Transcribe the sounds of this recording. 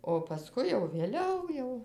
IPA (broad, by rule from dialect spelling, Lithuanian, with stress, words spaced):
oː pɐˈskʊɪ jɛʊ ʋʲeːˈlʲɛʊ jɛʊ